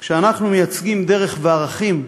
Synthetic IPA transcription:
kʃeanaχnumejat͡sɡimd̪e̞ʁe̞χveaʁaχim

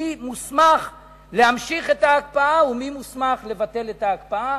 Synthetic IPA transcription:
imusmaχ | le̞hamʃiχetaːkpaaumimusmaχle̞vate̞le̞taːkpaa

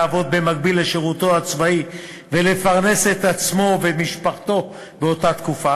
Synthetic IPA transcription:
vo̞d̪̚be̞maɡ̚bilːeʃeʁut̪o̞at͡svai | vele̞faʁne̞se̞t̪at͡smo̞vemiʃpaχt̪o̞ | beo̞tat̪kufa

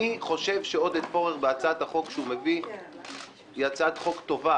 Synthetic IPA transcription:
iχo̞ʃe̞vʃeo̞d̪et̪po̞ʁeχbeat͡saat̪haχo̞kʃeume̞vi | iat͡saat̪χo̞kt̪o̞va

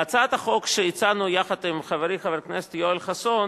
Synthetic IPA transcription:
at͡sat̪aχokʃeit͡sanujaχad̪imχaveɾiχaveɾknese̥t̪joelχason

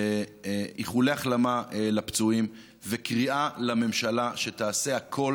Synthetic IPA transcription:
iχuleaχlamaelapt͡suim | vekʁiʔalame̞mʃalaʃet̪aːse̞akʰo̞

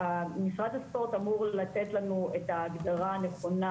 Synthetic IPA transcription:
amisʁad̪aspo̞ʁt̪amuʁlat̪et̪lanuetaːɡd̪aʁaneχo̞na

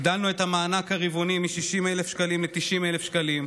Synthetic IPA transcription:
d̪alnuet̪hamaːnakhaʁivonimiʃiʃimelefʃkalimlet̪iʃimelefʃkalim

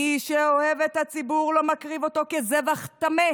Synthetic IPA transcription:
iʃeohevet̪hat͡sibuʁlo̞makʁivo̞to̞kezevaχt̪ame

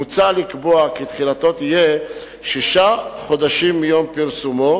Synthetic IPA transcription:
ut͡salikboakit̪χilat̪o̞t̪ije | ʃiʃaχo̞d̪aʃimːijo̞mpiʁsumo

